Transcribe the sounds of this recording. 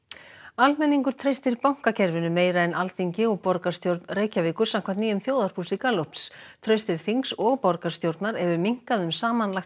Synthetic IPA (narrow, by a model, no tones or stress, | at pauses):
almɛnːiŋkʏɾ̥t̪ʰɾejst̪ɪɾpawŋ̥kacʰɛɾvɪnʏmeːjɾaɛnʔalt̪iɲcɪɔɣpɔɾkḁst̪jowɾt̪nreːjcaviːkʏɾ̥sam̥kʰvaɾ̥t̪niːjʏmθjoːwðaɾ̥pʰulsɪkalopst̪ʰɾœjst̪ɪð̥θiŋksɔɣpɔɾkḁst̪jowɾt̪naɾɛvʏɾmiŋ̥kaðʏmsaːmanlaxt